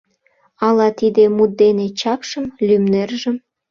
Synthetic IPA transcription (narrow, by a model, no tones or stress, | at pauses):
ɑlɑt̪id̪emud̪̚d̪enet͡ɕɑkʃəmlymnerʒə̆m